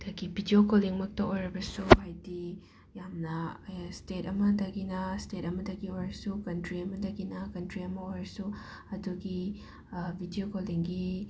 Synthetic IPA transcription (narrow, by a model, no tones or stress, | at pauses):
d̥̪aɡibʱidiokoliŋmɐk̚tɐojɾɐbɐsuhajdi | jamnɐstetɐmɐdɐɡinɐstetɐmɐdɐɡiojɾɐsukɐntɾiɐmɐdɐɡinɐkɐntɾiɐmɐojɾɐsu | ɐduɡi | bʱidiokoliŋɡi